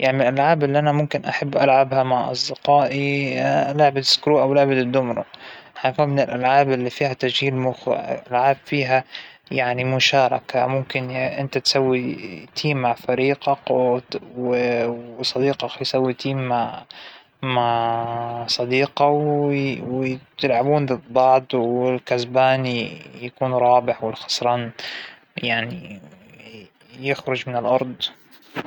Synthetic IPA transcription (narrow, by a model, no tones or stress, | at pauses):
jʔaʕnɪlʔalʕaːbɪlːiʔanamʊmkɪnʔaħabːʔalʕabhamaʕʔɑ̰sˤd̪ɪqɑːʔilaʕbat̪ɪ̥skɾuːʔawlɪʕbat̪d̪ːʊmɾʊ̰ħafiːmɪnɪlʔalʕaːbʔɪlːifiːhat̪aʒhiːlmʊxwɪ̰ʔalʕaːbfiːɦa | jaʕnimʊʃɑːɾˤɑ̰ka̰mʊmkɪnʔɪ̰nt̪at̪sawːit̪ʰiːmːaʕfɑɾiːqɑq | w | sˤɑd̪iːqɑqjsawːit̪iːmːaʕ | maʕ | sˤɑd̪iːqɑwwt̪ɪlʕabuːnlɪd̪ˤːɑʕd̪ˤwɪlkazbaːnijakuːnɾˤɑːbɪħwɪlxɑ̥sˤɾˤɑːn | jaʕni | jɪxɾʊd͡ʒmɪnɪlʔɑɾˤd̪ˤ